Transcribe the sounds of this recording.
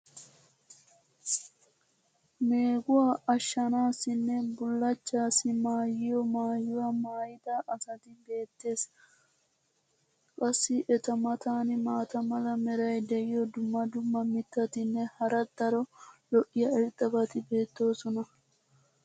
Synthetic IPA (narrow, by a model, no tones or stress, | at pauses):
me̞ːɡʊwaɐʃːɐnaːsɪnːɛbʊlːɐt͡ʃːaːsɪmaːjɪjɔmaːjːʊwɐmaːjɪt̪aʔɐsɐt̪ɪbe̞ːt̪ːe̞ːs | kʼɐsːɪʔɛt̪ɐmɐt̪aːnɪmaːt̪ɐmɐlɐmɛɾɐjd̪ɛʔɪjɔd̪ʊmːɐd̪ʊmːɐmɪt̪ːɐt̪ɪnːɛhɐɾɐd̪ɐɾɔlɔʔɪjɐɪɾt̪ʼːɐbɐt̪ɪbe̞ːt̪ːo̞ːsɔnɐ